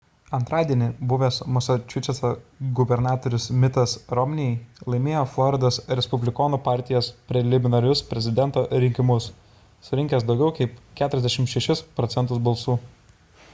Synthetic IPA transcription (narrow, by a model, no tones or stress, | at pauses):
ɐnt̪ɾɑːd̪ʲiɛnʲɪbʊʋʲesmɔsɐt͡ʃʲʊt͡ʃʲɛsɐɡʊbʲɛɾnɑːt̪oːɾʲʊsmʲɪt̪ɐsɾɔmʲnʲɪɛɪlˠɐɪmʲeːjoːflˠɔɾʲɪd̪oːsɾʲɛspʊbʲlʲɪkɔːnupɑˑɾʲt̪ʲɪjoːspʲɾʲɛlʲɪmʲɪnɐɾʲʊspʲɾʲɛzʲɪd̪ʲɛnt̪oːɾʲɪŋʲkʲɪmʊsː | ʊɾʲɪŋʲkʲɛs̬d̪ɒʊɡʲɛʊkɐɪpkʲæːt̪ʊɾɛzd̪ʲɛʃʲɪmʃʲɛʃʲɪspɾɔt̪sʲɛnt̪ʊsbɐlˠsuː